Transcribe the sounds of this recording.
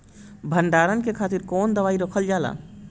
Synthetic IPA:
bʱəɳɖaɾənkekʰaːt̪iɾkond̪əʋaiɾokʰəld͡ʒala̰

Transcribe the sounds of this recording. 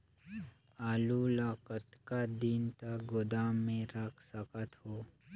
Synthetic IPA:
aːlulaːkət̪kad̪int̪aɡod̪aːmːẽɾakʰsəkət̪ɦoː

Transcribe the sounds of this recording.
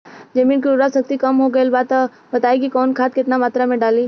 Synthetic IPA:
d͡ʒɐmiːnkiʊɾasək̚t̪ikɐmɦoɡɐelbaːt̪ | bɐt̪aːekikɔːnkʰaːt̪̚kɪt̪namaːt̪ɾamẽɖaːliː

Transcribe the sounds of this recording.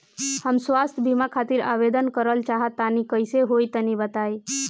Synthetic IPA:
həmsʋast̪ʰəbʱimakʰat̪iɾa̰ʋed̪ənkəɾəlt͡ʃaɦət̪ːanikəjseɦojt̪ənibət̪aj

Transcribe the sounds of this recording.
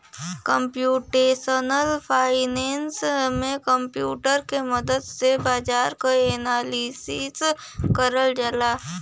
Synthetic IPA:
kəmpjuːʈeːsənəlpʰaːɪneːnsmẽkəmpjṵːʈəɾkeməd̪əd̪sebaːd͡ʒaːɾkaeːnaːlisis | kəɾəld͡ʒəlaː

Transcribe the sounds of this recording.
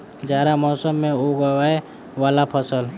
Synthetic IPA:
d͡ʒaːɾamɔːsəmːẽoɡəwae | ʋaːlapʰəsəl

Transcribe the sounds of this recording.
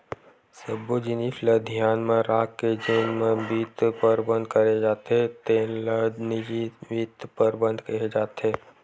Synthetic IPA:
səbod͡ʒinipʰləd̪ʱijaːnmẽɾaːkkːed͡ʒenmẽbiːt̪pəɾbə̃nd̪kəɾed͡ʒaːt̪eɦet̪eːlənid͡ʒibiːt̪pəɾbə̃nd̪ʱkɐed͡ʒaːt̪eɦeː

